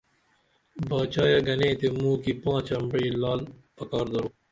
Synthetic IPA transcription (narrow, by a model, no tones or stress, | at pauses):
baːt͡ɕaːjaɡɐnẽːt̪emũːkipãːt͡ɕɐmbɽiːlaːlpɐkaːɾd̪ɐɾoː